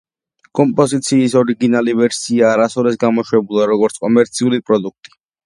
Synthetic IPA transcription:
kʼɔmpʼɔzit̪sʰiːsɔɾiɡinalivɛɾsiaːɾasɔɾɛsɡamɔʃwɛbulˠaɾɔɡɔɾt̪sʰkʼɔmɛɾt̪sʰiulipʼɾɔd̪uk̚ʰt̪ʼi̥

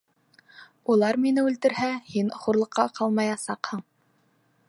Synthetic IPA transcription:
ulˠɑɾminɘʉlt̪ɘ̆ɾhæhinχuɾlˠɤ̆qʰːɑqɑlˠmɑjɑsɑqhɤɴ

